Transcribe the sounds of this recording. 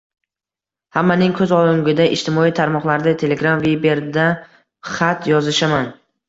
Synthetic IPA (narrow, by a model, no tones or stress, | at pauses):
hamːanɪŋkʰɵzɒlˠɪŋɡʲɪd̪aʔɪʃt̪ʰɪmɒijt̪ʰaɾmɒqlˠaɾd̪at̪ʰe̞le̞ɡɾamvebe̞ɾd̪a | χat̪jɒzɪʃaman